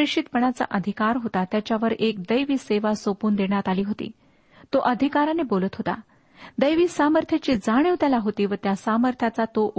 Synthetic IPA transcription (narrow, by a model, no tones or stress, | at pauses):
iʂit̪pəɳat͡sa̰ʔəd̪ʱikaɾɦot̪at̪jat͡ɕjaʋəɾek̚d̪əjʋiːseʋasopuːnd̪eɽ̃at̪aliːɦot̪ḭː | t̪oʔəd̪ʱikaɾanebolət̪ɦot̪a̰ | d̪əjʋiːsaməɾt̪ʰjat͡ɕiːd͡zaɽ̃iʋt̪jalaɦot̪iːʋət̪jasaməɾt̪ʰjat͡sat̪oʔu